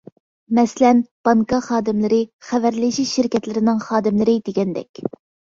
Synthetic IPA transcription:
mɛslɛnb̥ɑŋkɑχɑːd̪ɪmlˠɨɾɪχævæɾlɪʃiʃɪɾkʲɛt̪lɪɾɪnɪŋχɑːd̪ɪmlɪɾɪd̪eɡʲɛnd̪ɛ̰kʲ

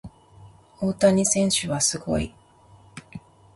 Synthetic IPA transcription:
oːt̪aɲ̟isẽ̞ɰ̃ɕɨβasɨɡo̞̰ḭ

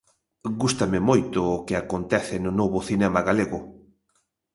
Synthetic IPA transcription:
ɡust̪amɪmojt̪ʊːkɪakont̪ɛθɪnʊnoβʊθinɛmaɣaleɣʊ

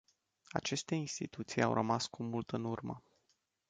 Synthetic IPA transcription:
a̰t͡ʃe̞st̪e̞inst̪it̪ut̪sija̰wɾʔəmaskumult̪ɨnurmə̰

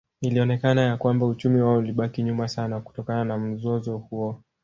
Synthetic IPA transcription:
iliɔnɛkanajakwambaut͡ʃumiwaɔuliɓakiɲumasanaku̥tɔkananam̩zɔzɔhuɔ

